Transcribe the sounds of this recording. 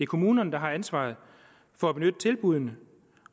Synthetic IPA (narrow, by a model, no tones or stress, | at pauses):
e̝kʰo̝muːnɐnd̥ɑ̈ɦɑ̈ænsʋɑ̰̈ːð̩ˠ | fɒ̽æb̥e̝nød̥ə̥t͡sʰelb̥uð̞ˠnə